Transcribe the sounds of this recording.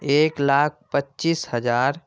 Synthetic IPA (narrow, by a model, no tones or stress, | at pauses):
eːklaːk̚ʰpətːt͡ʃishəd͡ʒaːɾ